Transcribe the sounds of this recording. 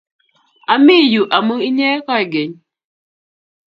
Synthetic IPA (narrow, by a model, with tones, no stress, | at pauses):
a˨mi˦˨ju˨ʔa˨mu˦i˦ɲe˦e˦kɔ˦i˨ɡe˨ɲ˦